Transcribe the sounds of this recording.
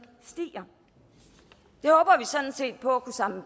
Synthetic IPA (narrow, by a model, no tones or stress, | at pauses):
sd̥ḭːɐ | d̥e̝hɔ̽ːb̥ɐʋisɒ̽d̥n̩se̝̰ːd̥̚pʰɒ̽ækʰusɑ̈mə